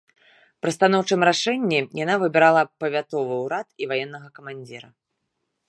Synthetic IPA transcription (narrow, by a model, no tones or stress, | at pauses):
pɾɨst̪anɔwt͡ʂɨmɾaʂɛnʲːijanavɨbʲɛɾalˠɐpɐvʲat̪ɔvɨwɾat̪ivajɛnːɐɣɐkɐmanʲd͡zʲiɾɐ